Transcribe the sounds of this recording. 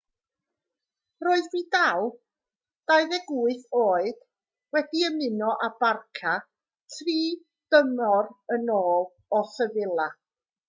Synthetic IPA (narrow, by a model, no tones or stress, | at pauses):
roːɨðriːdaw | d̥ajðɛɡuːɨθoːɨd̥ | wɛdiəmɪnɔʔabarkʰa | tʰriː | d̥əmɔrənoːlˠ | ɔsəvɪlˠa